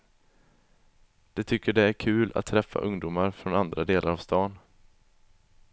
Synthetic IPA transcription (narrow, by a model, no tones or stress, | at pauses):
d̪̥ɛt̪ʰʏkːəɖɛæɾkʰʉ̟ːla̰t̪ʰːɾɛfːa̰ʔɵŋd̪uːmaɾfɾɔnand̪ɾad̪eːlʔaɾavst̪ɑːn